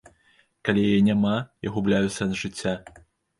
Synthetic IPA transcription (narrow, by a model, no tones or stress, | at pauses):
kalʲijajɛnʲamaja̰ɣublʲajut̪sʲːɐnʐɨt͡sʲːa